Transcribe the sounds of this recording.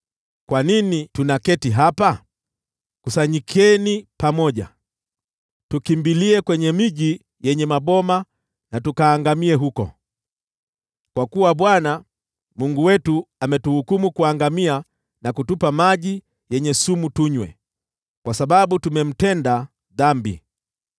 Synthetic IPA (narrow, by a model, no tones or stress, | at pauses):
kwaninitunakɛtiɦapa | kusaɲikʰɛnipamɔʄa̰ | tukimbiliɛkwɛɲɛmiʄi | jɛɲɛmaɓɔma | natukaːŋɡamiɛɦukɔ̰ | kwakuwaɓwana | muŋɡuwɛtuamɛtuhukumukuaŋɡamia | nakutupamaʄi | jɛɲɛsumutuɲwɛ̰ | kwasaɓaɓutumɛm̩tɛnda | ðambḭ